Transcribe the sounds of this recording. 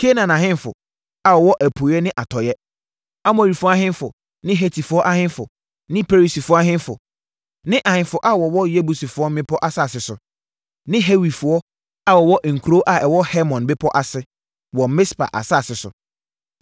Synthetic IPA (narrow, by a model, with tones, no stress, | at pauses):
kʰe˦nã˨nã˨ɦɪ̃˦n˦fʊ̰˨ | a˨wɔ˨wɔ˦ʔæ˨pʰu˨˦ɛ˦nɪ̃˦ʔa˨tʰɔ˨jɛ˦ | a˦mʊ̃˨ɾi˨fa˦ɦɪ̃˦n˦fʊ˨ | nɪ̃˦ɦe˨tʰi˨fʊ˨˦ɔ˦ʔa˦hɪ̃˦n˦fʊ˨ | nɪ̃˦pʰe˦ɾi˨si˨fʊ˨˦a˦ɦɪ̃˦n˦fʊ̰˨ | nɪ̃˦ʔa˨hɪ̃˦nfʊ˨ʔa˦wɔ˨wɔ˦je˦bu˨si˨fʊ˨˦ɔ˦m˦mɪ̃˦pʰɔ˦ʔa˨sa˦˨sɪ˨sʊ˨ | nɪ̃˦ɦe˦wi˨fʊ˨ɔ˦ | a˨wɔ˨wɔ˦ʔŋ̩˨kʰu˨oː˦ʔa˨ɛ˨wɔ˦hɛ˦mɔ̃˨nbɪ˦pʰɔ˦ʔa˨sɪ˦ | wɔ˨m˨mɪ̃˦spa̰˨ʔa̰˨sa˦˨sɪ˨sʊ̰˨